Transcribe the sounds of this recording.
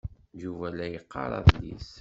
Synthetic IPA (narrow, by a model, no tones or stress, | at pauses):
d͡ʒuvælæjəqːɑ̰ɾˤɑ̰ðlḭs